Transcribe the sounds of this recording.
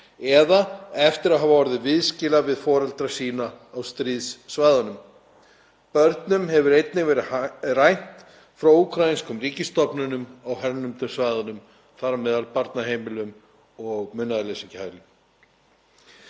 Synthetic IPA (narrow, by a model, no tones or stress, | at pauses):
ɛðaɛft̪ɪɾaðɦavavɔɾɪðɪvɪðscɪlavɪðfɔːɾɛlt̪ɾasiːnaːwst̪ɾiːðsːvajðanʏm | pœɾt̪nʏmɦɛvʏɾejt̪nɪɣvɛːɾɪrajn̥t̪ | fɾawukʰɾainskʏmriːcɪst̪ɔpnʏnʏmawɦɛɾnʏmt̪ʏlsvajðanʏm | θaɾamnɛːðalpaɾt̪naɦejmɪlʏm | ɔɣmʏnːaðɪlesiɲchajlɪm